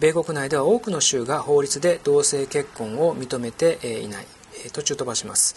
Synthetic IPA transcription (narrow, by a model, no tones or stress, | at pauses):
be̞ːko̞kɯ̟naid̪e̞β̞ao̞ːkɯ̟no̞ɕɨːɡaho̞ːɾʲit͡sɨd̪e̞d̪̥o̞ːse̞ːke̞kːõ̞ɰ̃o̞mʲit̪o̞me̞t̪e̞ʔḭna̰ḭ | t̪o̞t͡ɕɨːt̪o̞baɕima̰sɨ̥